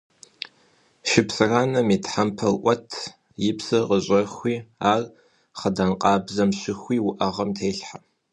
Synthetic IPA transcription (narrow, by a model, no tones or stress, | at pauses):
ʃɪpsɨraːnɐmiːtħampʰɐlʔʷɔtʰ | jɪpsɨqʼəɕʼɐxʷiːaːr | χɐdɐnqʼɑːbzɐmɕɪxʷiːwʊʔɐʁɐmtʰeːɬħa